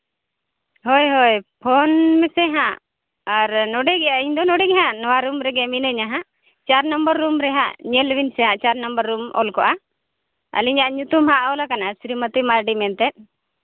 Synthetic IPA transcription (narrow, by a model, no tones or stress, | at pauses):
hojɦojpʰɔnmɛsɛɦãʔ | aɾnɔɖɛɡɛjaʔiɲd̪ɔnɔɖɛɡɛɦãʔnɔwaɾumɾɛɡɛminəɲaɦãʔ | t͡ʃaɾnəmbəɾːumɾɛɦã̰ʔɲɛlwinsɛɦãʔt͡ʃaɾnəmbəɾːumɔ̰lkɔʔa | ə̰liɲaʔɲut̪umɦaʔɔlakanasɾimət̪imaɾɖimɛnt̪ɛt̪̚